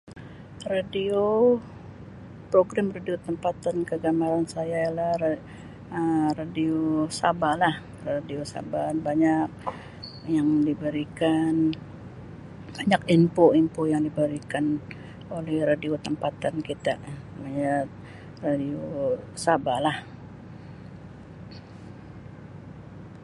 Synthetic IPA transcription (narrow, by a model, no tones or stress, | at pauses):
radio | pɾoɡɾamradiot̪əmpat̪ankəɡamaɾansajaalahr | əradiosabalah | radiosa̰banbaɲak̚ | jaŋdibəɾikan | baɲakimpoimpojaŋdibəɾikan | olɛhradiot̪əmpat̪ankit̪a | maɲa | radiosabalah